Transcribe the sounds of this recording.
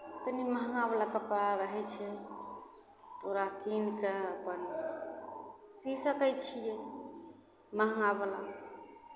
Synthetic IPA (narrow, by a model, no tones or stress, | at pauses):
t̪əniməɦŋɡaβəlakəpɾaɾəɦɛt͡ʃʰɛ | t̪oɾakinkeəpən | sisəkəjt͡ʃʰije | məɦŋɡabəla̰